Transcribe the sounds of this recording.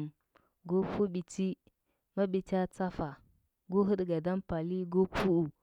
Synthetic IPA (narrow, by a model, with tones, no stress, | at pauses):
m | ɡo˦pu˦ɓi˨t͡si˦ | ma˦ɓi˨ta˦t͡sa˦fa˨ | ɡu˦ɦə˦ɗɡa˨da˦mpa˨li˦ɡo˦pu˦u˨